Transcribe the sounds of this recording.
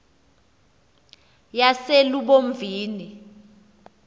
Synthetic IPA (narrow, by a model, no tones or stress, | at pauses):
jaseluɓoɱviːni